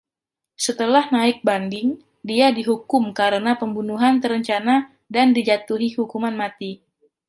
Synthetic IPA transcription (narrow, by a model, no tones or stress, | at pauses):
sət̪əlahnaɪk̚bandɪŋ | diadiɦukʊmkaɾənapəmbunuɦant̪əɾəɲt͡ʃana | dandid͡ʒat̪uɦihukumanmat̪i